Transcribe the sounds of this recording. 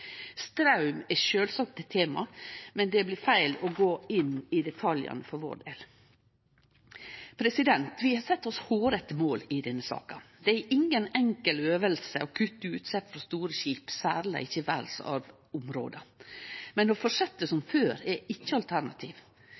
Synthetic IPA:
st̪ɾɑʉmɛʃøːlsɑk̚t̪ɛt̪ʰeːmɑmɛnd̪ɛblɪɾfæɪlɔɡoːɪnɪd̪ɛt̪ʰɑljɑ̰nəfɔɾʋɔ̰ɖ̪ḛl | pʰɾɛsɪd̪ɛnt̪ʋɪhɑsɛt̪ːɔshoːɾət̪moːlɪd̪ɛnːəsɑ̰ːkɑd̪ɛæɾʔɪŋːənɛŋkəløːʋəlsə̰ɔkʰʉt̪ːəʉːt̪sɛt̪fɾɔst̪uːɾəʃiːpsæ̰ːɾlə̰ʔɪçːəʋæ̰lsɑ̰ʋ | ʊmɾo̰ːd̪ə | mɛnɔfɔʂɛt̪ːəsɔmføːɾɛɪçːəɑlt̪ʰæɾnɑt̪ʰiːʋ

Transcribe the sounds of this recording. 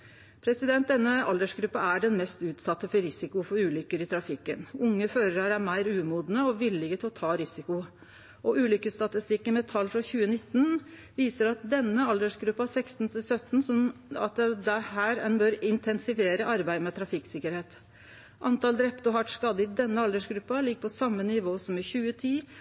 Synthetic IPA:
pʰɾɛsɪd̪ɛnt̪̚d̪ɛnːəɑld̪əʂɡɾʉpːɑæɖɛnmɛst̪ʉːt̪sɑt̪ːəfɔɾɪsɪkʊfɔɾʉːlʏkːəɾɪt̪ʰɾɑfɪkːənʊŋːəføːɾəɾæɾæmæɪɾʉːmuːd̪nəɔʋɪlɪɡət̪ɪlɔt̪ʰɑːɾɪsɪkʊ | ʔɔʔʉːlʏkəst̪ɑt̪ɪst̪ɪkːənmɛt̪ʰɑlːfɾɑçʉːənɪt̪ːn̩ | ʋiːsəɾɑt̪̚d̪ɛnːəɑld̪əʂɡɾʉpːɑsɛkst̪nt̪ʰɪsœt̪ːn̩sɔɑ̰t̪d̪æhæːɾɛnbøːɾɪnt̪ʰɛnsɪfeːɾəʔɑɾbæɪd̪mɛt̪ʰɾɑfɪksɪkəɾheːt̪ | ʔɑnt̪ɑld̪ɾɛpt̪ɔɦɑʈʂkɑd̪əɪd̪ɛnːəɑld̪əʂɡɾʉpːɑlɪɡːəpʰɔsɑmːənɪʋoːsɔmɪçʉːət̪ʰiː

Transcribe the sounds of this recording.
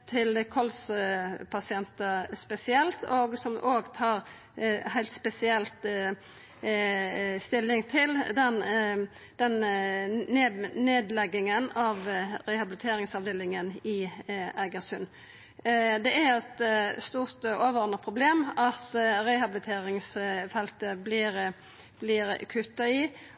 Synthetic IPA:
t̪ʰɪlkʰɔlspʰɑsɪɛnt̪əspɛsɪɛlt̪oːɡsɔmʔoːɡt̪ʰɑːɾ | hæɪlt̪spɛsɪɛlt̪ | st̪ɪlːɪŋt̪ʰɪld̪ɛn | d̪̥ɛnː | eneːd̪lɛɡːɪŋənɑʋɾɛhɑblɪt̪ʰeːɾɪŋsɑʋd̪eːlɪŋənɪæɡəsʉn | d̪ɛæɾɛt̪st̪uːɾt̪oːʋəɾɔʁnəʁpʰɾʊbleːmɑt̪ɾɛɪhɑblɪt̪ʰeːɾɪŋsfɛlt̪əblɪːɾ | b̥lɪɾkʰʉt̪ːɑɪ

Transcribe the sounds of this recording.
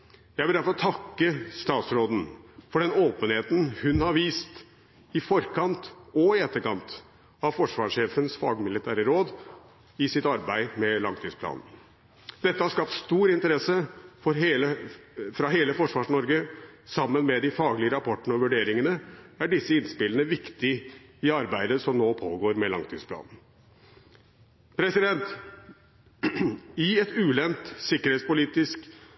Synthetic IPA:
jæɪʋɪæɾfɔɾɔt̪ʰɑkːəst̪ɑːt̪sɾoːd̪n̩fɔɖɛnoːpənheːt̪n̩hʉnhɑɾʋiːst̪ | ɪfɔɾkʰɑnt̪ɔɪɛt̪ːəɾkɑnt̪ | ɑʋfɔʂʋɑːʂeːfənsfɑːɡmɪlɪt̪ʰæːɾəɾoːd̪ | ɪsɪt̪ɑɾbæɪmɛlɑŋt̪ʰiːspʰlɑ̰ːnn | d̪̥ɛt̪ːəhɑʂkɑpt̪st̪uːɾɪnt̪əɾɛsːəfɔɾɦeːləfɾɑɦeːləfɔʂʋɑːʂɳɔɾɡəsɑmːənmɛd̪ɪfɑːɡlɪəɾɑpʰɔʈːəɳəɔʋʉɖeːɾɪŋənəæɖɪsːəɪnspɪlənəʋɪkt̪ɪɪɑɾbæɪd̪əsɔmnoːpʰoːɡoːɾmɛlɑ̰ŋt̪ʰyːsplɑ̰ːnn̩ | pʰɾɛsɪd̪ɛnt̪ | ɪɛt̪ʉːlɛnt̪sɪkːəɾheːtspʊliːt̪ɪsk

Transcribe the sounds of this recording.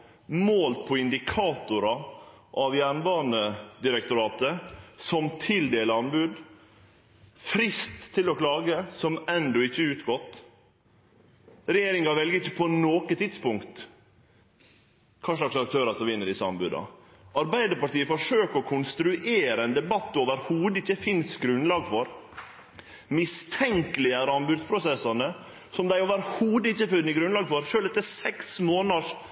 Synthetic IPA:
moːlpʰɔɪnd̪ɪkʰɑːt̪ʊɾɑ | ʔɑʋjæɳbɑːnəd̪ɪɾəkt̪ʊɾɑːt̪əsɔmt̪ʰɪld̪eːləɑnbʉːd̪ | fɾɪst̪ʰːɪlɔklɑːɡəsɔmɛnd̪ɔɪçːəʉːt̪ɡɔt̪ː | ɾɛjeːɾɪŋɑʋɛlɡəɾɪçːə̥pʰɔnoːkət̪ʰɪd̪spʊŋkt̪ | kʰɑːʂlɭɑksɑk̚t̪ʰøːɾɑsɔmʋɪnːəɖɪsəɑ̰mbʉ̰ːd̪ɑ̰ | ɑɾbæɪd̪əɾpɑʈiːəfɔʂøːkəɔkʰʊnst̪ɾʉʔeːɾəɛnd̪ɛbɑt̪ːoːʋəɾhuːd̪əɪçːəfɪnsɡɾʉnlɑːɡfɔɾ | mɪst̪ʰɛŋkəlɪæɾəɑnbʉːd̪spʰɾʊsɛsːɑnə | sɔmd̪æɪoʋəɾhuːd̪əɪçːəfʉnːəɡɾʉnlɑːɡfɔɾʂøːlɛt̪ːəsɛksmoːnɑʂ

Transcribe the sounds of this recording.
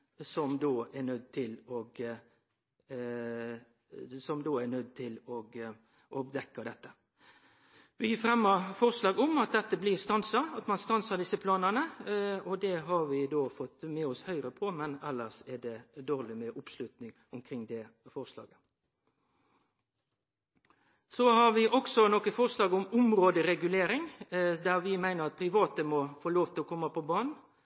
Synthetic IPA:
sɔmd̪oːɛnœd̪̚t̪ʰɪlɔɡ | sɔmd̪oːænœd̪̚t̪ʰɪlɔɡ | ʔɔbd̪ɛkːɑd̪ɛt̪ːə | ʋɪjiːfɾɛmːəfɔʁslɑːɡɔmɑt̪̚d̪ɛt̪ːəblɪːʁst̪ɑnsɑɑt̪mɑnst̪ɑnsɑʁd̪ɪsːəpʰlɑːnənəɔd̪ɛɦɑɾʋɪd̪oːfɔt̪ːmɛːɔshœʏʁəpʰɔmɛnɛlːəʂɛd̪ɛd̪oːʁlɪmɛʔʊpslʉt̪nɪŋ | ʊmkʰɾɪŋd̪ɛ | fɔʁslɑ̰ːɡə | sɔhɑɾʋɪʔɔksɔnɔkəfɔʁslɑːɡʊmʊmɾoːd̪əɾɛɡʉleːɾɪŋd̪æʁʋɪmæɪnəʁɑt̪̚pʰɾɪʋɑːt̪əmɔfoːloːʋt̪ʰɪlɔkʰɔmːɑpʰɔbɑːnn

